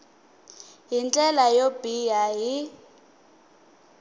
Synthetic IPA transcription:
ɦint͡ɬʼɛlajobijaɦi

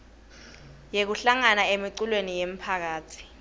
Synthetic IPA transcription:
jek̬uɬaŋanaemiǀulwenijem̩pʰak̬aːtʰi̥

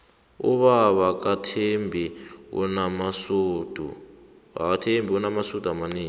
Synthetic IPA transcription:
ṵβaβak̬atʰembʱiṵnamasod̥ʱu | a̰katʰembʱiunamasud̥ʱamaneːŋ

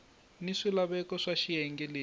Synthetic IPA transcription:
niʂilaβɛkɔʂaʃijɛŋɡɛleː

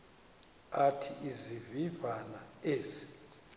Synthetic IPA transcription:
atʰiʔizivivanaeːzi̥

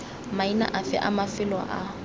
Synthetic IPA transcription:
maina̰ʔafɪ̰ʔamafɪlwa̰ʔa

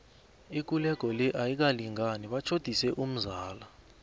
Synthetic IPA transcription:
ik̬ulɛk̬ɔlɛʔajik̬aliŋaniɓat͡ʃʰod̥ʱisɛʔum̩zaːla

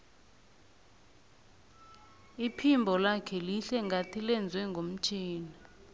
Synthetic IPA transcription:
ipʰimbʱɔlakʰɛliɬɛŋɡʱatʰilɛnd͡zʱwɛŋɡʱom̩t͡ʃʰʼiːna

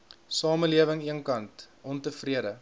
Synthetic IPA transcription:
sɑːməliəvəŋiənkɐntʔɔntəfriəɾə

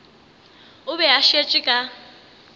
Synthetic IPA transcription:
ʊβɛɦaʃet͡ʃʼikʼa

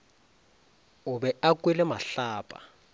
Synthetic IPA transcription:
uɓɛak̬ʼwilɛmaɬaːpʼa̰

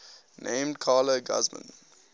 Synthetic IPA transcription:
nʔẽmdkʰɑːləɡa̰zmə̰̃n

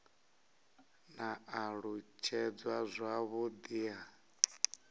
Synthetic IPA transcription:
naːɺut͡ʃʰɛd͡zwazʷaβud̪ia

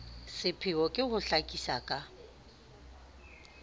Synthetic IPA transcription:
sɪpʰɪɔkʼɪhʊɬakʼisa̰kʼa

